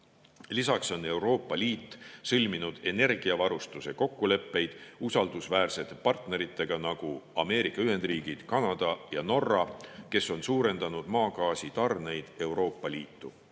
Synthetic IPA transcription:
lisɑkso̞ne̞wɾo̞ːpːˑɑliːt̪ːsɤlʲminud̪̥e̞ne̞rɡ̥iɑvɑɾust̪use̞ko̞kːule̞pːe̞jd̪̥usɑld̪usvæːrse̞t̪ːˑepɑrt̪ne̞ɾit̪ːˑe̞ɡ̥ɑnɑɡ̥uɑme̞ːɾikːˑɑyɦe̞nd̪̥riːɡ̥id̪̥kɑnɑd̪̥ɑjɑno̞rːɑke̞so̞nsuːɾe̞nd̪̥ɑnud̪̥mɑːkɑːsit̪ɑrne̞jd̪̥e̞wɾo̞ːpˑːɑliːt̪ːu

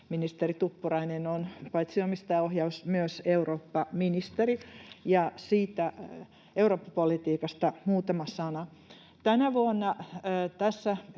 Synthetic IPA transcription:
minist̪erit̪upːurɑinenonpɑit̪siomist̪ɑːohjɑusmyøseuroːpːɑminist̪erijɑsiːt̪æ | euroːpːɑpolit̪iːkɑst̪ɑmuːt̪ɑmɑsɑnɑ | t̪ænæʋuonːɑːt̪æsːæ

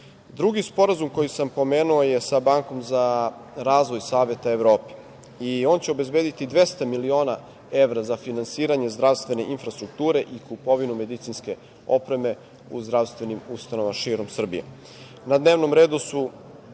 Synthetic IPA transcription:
d̪ɾuɡispo̞ɾazumko̞jisampo̞me̞ːnuoje̞sabaːŋko̞mza | ɾaːzʋojsaːʋe̞t̪aeʋɾo̞ːpe̥ | io̞ːnt͡ɕeo̞be̞zbe̞ːd̪it̪id̪ʋe̞st̪amilio̞ːna | e̞ʋɾazafinansiːɾaɲe̞zd̪ɾaʋst̪ʋe̞ne̞ʔinfɾast̪ɾuk̚t̪uːɾe̞ʔikupo̞ʋinume̞d̪it̪sinske̞ | o̞pɾe̞me̞ | ṵzd̪ɾaʋst̪ve̞nimust̪anoʋamaʃiːɾo̞msr̩bijḛ | nad̪neʋno̞mɾe̞ːd̪usu

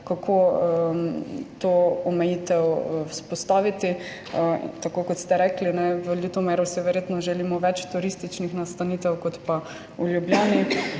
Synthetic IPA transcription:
kakʰo | t̪oɔmɛjit̪ɛwspɔst̪aːʋit̪ḭ | t̪akoːkɔt̪st̪ɛɾɛklinɛʋəlit̪ɔmɛɾɔsiʋɛɾjet̪nɔʒɛlimɔʋɛt͡ʃt̪uɾist̪it͡ʃnixnast̪aniːt̪ɛwkɔt̪pa | uljubljaːni

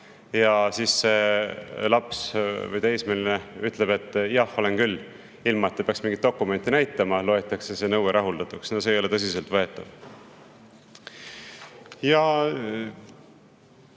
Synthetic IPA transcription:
jɑsiːsːe̞ | lɑpsvɤ̰jt̪ejsmelineyt̪ˑle̞be̞t̪ˑːjɑho̞lenkylː | ilmɑet̪ːepeɑksmĩŋɡit̪ːo̞kːˑume̞nʲt̪ːˑinæjt̪ːˑɑmɑlo̞et̪ːˑɑkse̞se̞nɤweɾʔɑɦuld̪ɑt̪ˑuksnoseːjo̞le̞t̪ɤs̬ise̞lt̪vɤe̞t̪ːˑɑ̰v | jɑ

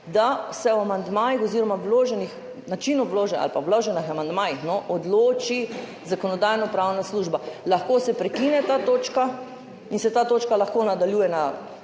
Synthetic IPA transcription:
d̪asɛwamand̪maːjixɔziːɾɔmawloːʒɛnix | nat͡ʃinɔwloːʒɛa̰lpawloːʒɛnixamand̪maːjixnɔʔɔd̪loːt͡ʃi | zakɔnɔd̪ajnɔpɾawnasluːʒbalaxkoːsɛpɾɛkinɛt̪aːt̪oːt͡ʃka | insɛt̪aːt̪oːt͡ʃkalaxkoːnad̪aljuːjɛna

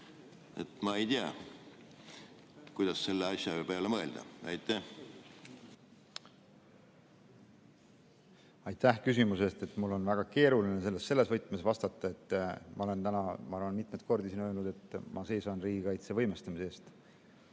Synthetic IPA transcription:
et̪mɑe̞jt̪iɑ̰ | kujd̪̥ɑsːe̞lːeɑsʲjɑebeɑlːemɤe̞ld̪̥ɑ̰ɑjt̪ːˑæh | ɑjt̪ːæhkys̬imuse̞st̪e̞t̪ˑmulːo̞nvæɡ̥ɑke̞ːɾuline̞s̬e̞lːe̞sːelːe̞svɤjt̪ːˑmesvɑst̪ɑt̪ˑːɑe̞t̪ːmʔɑo̞le̞nt̪ænɑmɑɑrvɑnmit̪ˑmet̪̚ko̞rd̪isinølnud̪e̞t̪ːmʔɑse̞jsɑnriːɡikɑjt̪se̞vɤ̞jmest̪ɑmiseːst̪

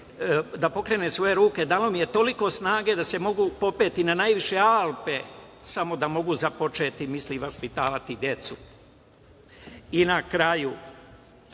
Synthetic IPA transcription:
d̪apo̞kɾe̞ːnesʋo̞je̞ɾuːke̞d̪alo̞mije̞t̪o̞liko̞snaːɡe̞d̪ase̞mo̞ɡupo̞pe̞ːt̪inanajʋiʃe̞alˠpe̞samo̞d̪amo̞ɡuzapo̞t͡ʃe̞ːt̪imisliʋaspit̪aːʋat̪id̪je̞t̪su | inakɾaju

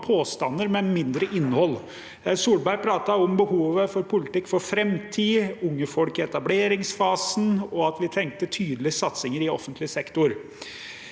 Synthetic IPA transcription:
pʰoːst̪ɑnːəɾmɛnmɪnd̪ɾəʔɪnːəhɔlː | suːlbæɾpʰɾɑːt̪ɑɔmbəhuːʋəfɔɾpʰʊlɪt̪ɪkːfɔɾfɾɛmt̪ʰiːʊŋːəfɔlkɛt̪ɑbleːɾɪŋsfɑːsn̩ɔɑt̪ʋɪt̪ʰɛŋk̚t̪ət̪ʰyːd̪əlɪsɑt̪sɪŋəɾɪɔfənt̪lɪsɛkt̪ʊɾ

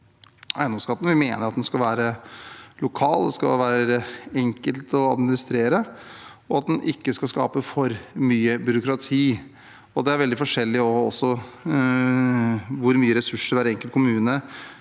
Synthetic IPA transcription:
ʔæ̰ɪnɔmskɑːt̪ən̩ʋɪmeːnəɾɑt̪d̪ɛnskɑlʋæːɾəlʊkʰɑːld̪ɛskɑ̰ʋæːɾəɛŋkəlt̪ɔɑ̰d̪mɪnɪst̪ɾeːɾə | ɔɑt̪̚d̪ɛnʔɪkːəskɑlskɑ̰ːpəfɔɾmyːəbʏɾʊkɾɑt̪ʰiː | ɔd̪ɛæɾʋɛld̪ɪfɔʂɛlːɪɔɔsːɔ | ʋʊɾmyːəɾɛsʉʂəɾæɾɛŋkəlt̪kʰʊmʉːnə

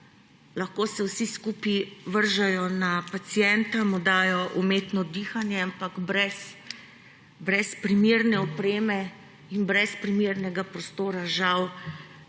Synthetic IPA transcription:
laxkoːsɛwsiskuːpiʋəɾʒajɔnapat̪sijɛnt̪amud̪aːjɔʔumeːt̪nɔd̪iːxanjɛampaɡbɾɛs | bɾɛspɾimeːɾnɛɔpɾeːmɛ | inbɾɛspɾimeːɾnɛɡapɾɔst̪oːɾaʒaw

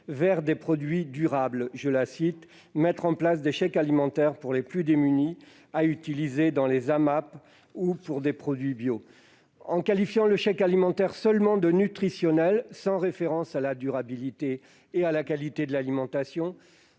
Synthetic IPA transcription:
vɛʁd̪epχɔd̪ɥid̪yʁablʒəlasit̪ | mɛt̪χɑ̃plasd̪eʃɛkalimɑ̃t̪ɛʁpuʁleplyd̪emyni | ayt̪ilized̪ɑ̃lezamap | upuʁd̪epχɔd̪ɥibjo | ɑ̃kalifjɑ̃ləʃɛkalimɑ̃t̪ɛʁsœlmɑ̃d̪ənyt̪χisjɔnɛlsɑ̃ʁefeʁɑ̃salad̪yʁabilit̪eː | alakalit̪ed̪əlalimɑ̃t̪asjɔ̃

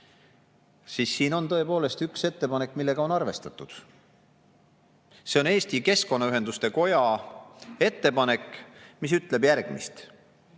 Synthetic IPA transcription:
siːsːiːno̞nt̪ɤ̞e̞po̞ːle̞st̪ykse̞t̪ːe̞pɑne̞kːˑmilːe̞ɡ̥ɑo̞nɑrve̞st̪ɑt̪ːˑud̪̥ | se̞o̞ne̞ːst̪ike̞sko̞nːɑyɦe̞nd̪ust̪e̞ko̞jɑ | e̞t̪ːe̞pɑne̞kːˑmis̬yt̪ˑle̞bjærɡ̥mḭst̪

